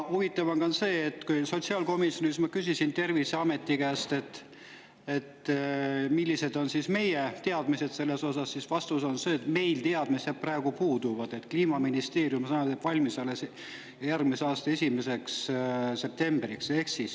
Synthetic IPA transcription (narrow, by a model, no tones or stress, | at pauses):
huvit̪ːˑɑvɑnkɑnse̞ːt̪ːkujso̞t̪ʲsiɑlko̞misjo̞nismɑkysʲisint̪e̞rviseɑme̞t̪ːˑikæːst̪e̞t̪ː | e̞t̪ | milːise̞d̪̥o̞nsisme̞jet̪e̞ɑd̪̥mise̞d̪̥se̞lːe̞so̞sɑsːisvɑst̪uso̞nse̞ːt̪me̞jlt̪e̞ɑd̪̥mised̪̚præeɡ̥upuːd̪̥uvɑd̪̥e̞t̪kliːmɑminist̪e̞ːɾjumsɑnɑsepvɑlʲmisɑles | jærɡmiseɑːst̪ɑe̞sʲime̞se̞ksse̞p̚t̪e̞mbrikse̞hksis